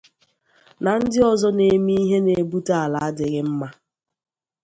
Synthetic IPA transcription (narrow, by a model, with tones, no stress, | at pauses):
na˨n̩˦dɪ˦ɔ˦zɔ˦ne˨mi˦i˦ɦe˦ne˨˦bu˦ta˦a˨la˨a˦dɪ˨ɣɪ˦m̩˦ma˦